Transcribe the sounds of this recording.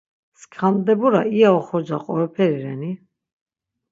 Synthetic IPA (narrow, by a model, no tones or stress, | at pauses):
skʰand̪ɛbuɾaiaɔχɔd͡ʒaqʼɔɾɔpʰɛɾiɾɛni